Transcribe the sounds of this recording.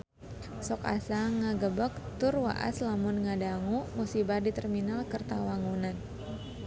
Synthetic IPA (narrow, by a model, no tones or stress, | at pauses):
sɔka̰saŋaɡəbək̚t̪ʊrwa̰ʔa̰slamʊnŋadaŋumusibadit̪ərminalkərt̪awaŋunan